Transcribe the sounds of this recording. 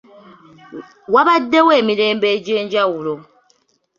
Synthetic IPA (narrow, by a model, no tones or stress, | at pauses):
waβadːe̞we̞ːmiɾe̞ːmbe̞ːɟe̞ːɲɟawulo̞